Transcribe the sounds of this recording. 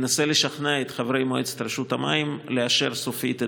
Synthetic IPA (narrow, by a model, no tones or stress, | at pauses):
naseleʃaχnaet̪χavɾejmoet͡se̥t̪ɾeʃut̪ama̰imleaʃe̞ɾsofit̪e